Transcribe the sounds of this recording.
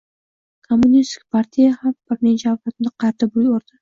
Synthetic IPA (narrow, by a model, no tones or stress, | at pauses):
kʰomːʊnist̪ʰɪ̥k̚ʲpʰaɾt̪ʰijahamb̥ɪɾnet͡ʃʰaalat̪ɪmnd̪aqʰɑɾt̪abuoɾd̪̥ɪ